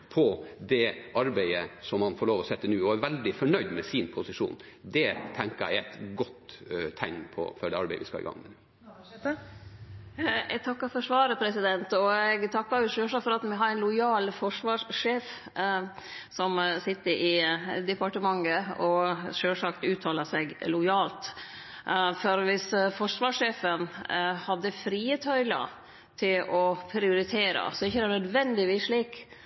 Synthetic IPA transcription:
pʰɔd̪ɛʔɑɾbæɪəsɔmhɑnfɔːɭoːʋɔsɛt̪ːənʉːɔæɾʋɛld̪ɪfɔɳœʏd̪mɛsɪnpʰʊsɪʂṵːnd̪ɛt̪ʰɛŋkəɾæ̰ɪæt̪ɡɔt̪t̪ʰːæɪŋpʰɔ̰fœɖɛɑɾbeɪəʋɪ̰skɑ̰ɪ̰ɡɑ̰ŋːmɛd̪ | ɛɡ̚t̪ʰɑkːɑɾfɔʂʋɑːɾəpʰɾɛsɪd̪ɛnt̪ɔɛɡt̪ʰɑkːɑɾjʊʂøːʂɑkfɔɾɑt̪mɛɦɑɾɛnlʊjɑːlfɔʂʋɑːʂʂeːf | sɔmsɪt̪ːəɾʔɪd̪ɛpɑʈəmɑŋːəɔʂøːʂɑkt̪ʉːt̪ʰɑːləsɛɡlʊɪjɑːlt̪ | fɔɾʋɪsfɔʂʋɑːʂeːfənhɑd̪ːəfɾiːət̪ʰœʏlə̰ | t̪ʰɪlɔpʰɾɪʊɾɪt̪ʰeːɾə̰sɔɪçːəd̪ɛæɳnœd̪ʋɛnd̪ɪʋiːsʂɭiːk

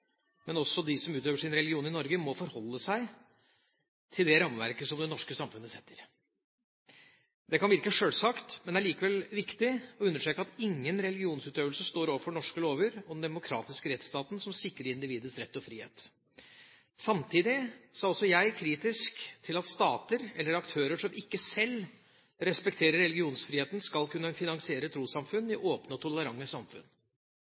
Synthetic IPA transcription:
mɛnɔsɔd̪ɪsɔmʉːt̪øːʋəʂɪnɾɛlɡɪuːnɪnɔɾɡəmɔfɔɾhɔlːəsæɪ | t̪ʰɪld̪ɛɾɑmʋæ̰ɾkəsɔmd̪ɛnɔʂkəsɑmfʉnːəsɛt̪ʰːəɾ | d̪ɛkʰɑnʋɪɾkəʂøːlsɑkt̪mɛnd̪ɛæɭiːkəʋɛlʋɪkt̪ɪɔʉnːəʂʈɾeːkəɑt̪ɪŋːənɾɛlɡɪuːnsʉːt̪øːʋlsəʂt̪oːɾoːʋəɾfɔɳɔʂkəloːʋəɾɔd̪ɛnd̪ɛmʊkʰɾɑ̰ːt̪ɪskəɾɛt̪st̪ɑːt̪n̩sɔmsɪkːɾəɾɪnd̪ɪʋiːd̪əsɾɛt̪ːɔfɾiːhḛːt̪ | sɑmt̪ʰiːd̪ɪsɑːɔlsːɔjæɪkʰɾiːt̪ɪskt̪ʰɪlɑt̪st̪ɑːt̪əɾɛlːəɾɑkt̪ʰøːɾəʂɔmɪkːəsɛl | ɾɛspɛkt̪ʰeːɾəɾɛlɪɡɪuːnsfɾiːeːt̪n̩skɑlkʰʉnːəfɪnɑŋsɪeːɾət̪ʰɾuːsɑmfʉnɪʔoːpnəɔt̪ʰɔləɾɑŋːəsɑmfʉ̰n

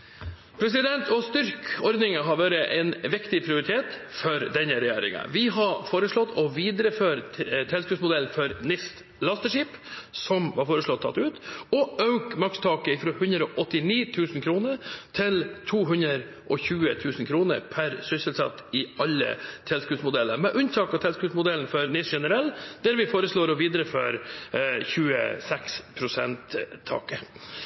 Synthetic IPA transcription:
pʰɾɛs̬ɪd̪ɛnt̪ʰɔst̪ʏɾkɔɾd̪nɪŋəɦɑɾʋæːɾəʔɛnʋɪkt̪ɪpʰɾɪʊɾɪt̪ʰeːt̪fɔɾd̪ɛnːəɾɛjæːɾɪ̰ŋə̰ʋɪɦɑɾfoːɾəʂɭɔt̪ʰːɔʋiːd̪ɾəføːɾt̪ʰɛlskʉpsmʊd̪ɛlnfɔɾnɪst̪ | lɑst̪əʂiːpsɔmʋɑɾfoːɾəʂɭɔt̪ʰːɑ̰t̪ːʉːt̪ɔɑʉk̪̚mɑkst̪ʰɑːkəɪfɾoːhʉnd̪ɾəɔʔɔt̪ːɪniːt̪ʰʉːsn̩kʰɾuːnəɾt̪ʰɪlt̪ʰuːɦʉnd̪ɾəɾ | ʔɔçʉːət̪ʰʉːsn̩kʰɾuːnə̰ɾpʰæɾsʏsəlsɑ̰t̪ːɪɑlːə̰t̪ʰɛlskʉːsmʊd̪ɛlːə̰ɾmɛʔʉnt̪ʰɑːkɑt̪ʰɛlskʉːsmʊd̪ɛln̩fɔɾnɪsʂɛnəɾɛlːd̪̥æɾʋɪfoːɾəsɭoːɾɔʋiːd̪ɾəfœɾçʉːə̰sɛkspʰɾʊsɛnt̪ʰːɑ̰ːkə

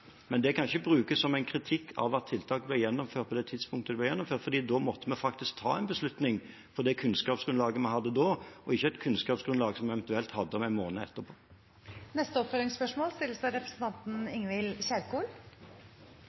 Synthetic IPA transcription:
mɛnd̪ɛkʰɑnɕəbʁʉːkəssɔmæɪnkʰɾɪt̪ʰɪkːʰɑ̰ʋɑt̪ʰːɪlt̪ʰɑːkəblɛjɛnːɔmføːʁt̪̚pɔd̪ɛt̪ʰɪd̪spʰʊŋkt̪əd̪ɛblɛjɛnːɔmføːɾt̪fɔɾd̪iːd̪omɔt̪ːəmɛfɑkt̪ɪsk̚t̪ʰɑ̰ːɛɪnbəslʉt̪nɪŋ | fɔd̪ɛkʰʉnskɑːpsɡ̥ɾʉnlɑːɡəmɑnhɑd̪ːəd̪oːɔɪçːəɛt̪kʰʉnskɑːpsɡ̥ɾʉnlɑːɡsɔmæɛʋɛnt̪ʉɛlt̪hɑd̪ːəɔmæɪmoːnəɛt̪ːəɾpʰoː | nɛst̪əɔpfœlɪŋspœʂmoːlst̪ɪlːəsɑɾɛpɾɛsən̩t̪ɑnt̪n̩ɪŋʋɪlɕæɾkuːl

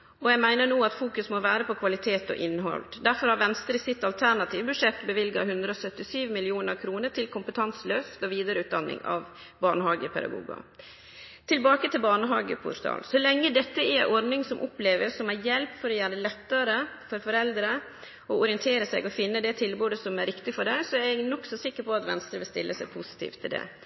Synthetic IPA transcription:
ɔjæɡmæɪnəɳuːɑt̪fuːkʉsmɔʋæːɾəpʰɔkʰʋɑlɪt̪ʰeːt̪ɔ̰ʔɪnːɦɔ̰ld̪æɾfɔɾhɑɾʋɛnst̪ɾəsɪt̪ːɑlt̪ʰæɳɑt̪ʰiːʋbʉʂɛt̪ːbəʋɪlɡɑhʉnd̪ɾəɔsœt̪ːɪsyːʋmɪlɪuːnəɾkʰɾuːnəʈʰɪlkʰʊmpət̪ʰɑnsløːst̪ɔʋiːd̪ɑɾəʉːt̪̚d̪ɑnːɪ̰ŋɑ̰ʋ | bɑɳəɦɑːɡəpʰɛ̰d̪ɑ̰ɡṵːɡɑ̰ | t̪ʰɪlbɑːkət̪ʰɪlbɑɳəɦɑːɡə̰pʰʊ̰ɾt̪ʰɑ̰ːlsɔlɛŋːəd̪ɛt̪ːəɛʔɔɾnɪŋsɔmʔɔpleːʋəsɔmæjɛlpfɔɾɔjæːɖ̪əlɛt̪ːɑɾəfɔɾfɔɾɛld̪ɾə | ɔɔɾɪənt̪ʰeːɾəsɛɡɔfɪnːəd̪ɛt̪ʰɪlbuːd̪əsɔmæɾɪkt̪ɪfɔɖæɪsɔæɾɛɡnɔksɔsɪkːəɾpʰɔɑt̪ʋɛ̰nst̪ɾəʋɪlst̪ɪ̰lːəsɛpʰʊsɪ̥t̪ʰḭːft̪ʰːɪld̪ɛ̰

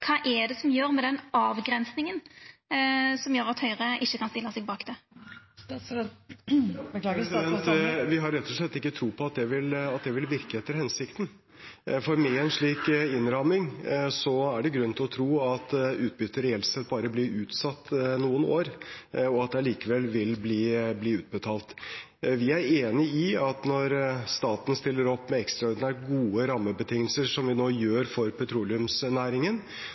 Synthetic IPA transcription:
kʰɑːʔɛd̪ɛsɔmjøːɾmɛd̪ɛnɑːʋɡɾɛnsnɪŋən | sɔmjøːɾɑt̪hœʏʁəʔɪçːəkɑnst̪ɪlːəsɛɡbɑːkd̪ɛ | sd̪ɛnt̪ʋɪɦɑɾɾɛt̪ːɔʂɭɛt̪ːɪkːət̪ʰɾuːpʰɔɑt̪̚d̪ɛʋɪlɑt̪̚d̪ɛʋɪlʋɪɾkəɛt̪ːəɾhɛnsɪkt̪ən̩ | fɔɾmɛɛnʂɭiːkɪnɾɑmɪŋsɔæɖɛɡɾʉnːət̪ʰɪlɔt̪ʰɾuːɑt̪ʉːt̪̚bʏt̪ʰːəɾhɛːlsɛt̪̚ːbɑːɾəblɪɾʉːt̪sɑt̪ːnuːəno̰ːɾɔɑt̪̚d̪ɛliːkəʋɛlːʋɪlbliːbliːʉːt̪̚bət̪ʰɑːlt̪ | ʋɪæɾeːnɪɪɑt̪nɔɾst̪ɑːt̪n̩st̪ɪlːəɾɔpːmɛɛkst̪ɾɑɔɾd̪ɪnæːʈ̚ɡuːəɾɑmːəbət̪ʰɪŋːəlsəʂɔmʋɪnoːjøːɾfɔɾpʰɛt̪ʰɾuːlɪʉmsnæːɾɪŋən

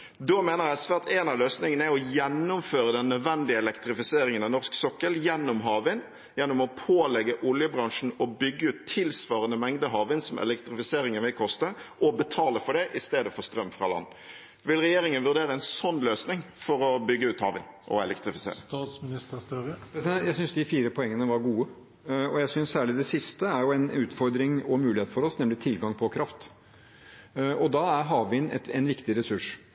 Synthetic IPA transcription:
d̪oːmeːnəʁjæɪsʋæʁt̪eːnɑløːsnɪŋənæɔjɛnːʊmføːɾəd̪ɛnːœd̪ʋɛnd̪ɪəɛlɛkt̪ɾɪfɪseːɾɪŋənɑnɔɾsksɔkːəljɛnːʊmɦɑːʋɪn | jɛnːʊmɔpʰoːlɛɡəʔʊljəbɾɑŋʂɳ̩ɔbʏɡːəʉːt̪ʰːɪlsʋɑːɾənəmɛŋd̪əɦɑːʋɪnsɔmʔɛ̰lɛkt̪ɾɪfɪseːɾɪŋənʋɪlkʰɔst̪əʔɔbət̪ʰɑːləfɔɖɛʔɪst̪eːd̪əfɔɾst̪ɾœmːfɾɑlɑ̰nː | ʋɪlʁɛjeːɾɪŋənʋʉɾd̪eːɾəɛnsɔnːløːsnɪŋfɔɾɔbʏɡːəʉːt̪hɑːʋɪnʔɔ̰ɛ̰lɛkt̪ɾɪfɪsḛːɾəsmnɪst̪əst̪øɾpɾɛsɪd̪ɛjæɪsʏnsd̪ɪfiːɾəpʰɔɛŋːənəʋɑɾɡuːə | ɔjæɪsʏnssæːɭɪd̪ɛsɪst̪əæɾjʊɛnʉːt̪fɔɾd̪ɾɪŋɔmʉːlɪheːt̪fɔɾɔsnɛmlɪt̪ʰɪlɡɑŋpʰɔkʰɾɑft̪ | ɔd̪ɑæɾɦɑːʋɪnɛ̰t̪ɛnʋɪkt̪ɪɾɛsʉʂ

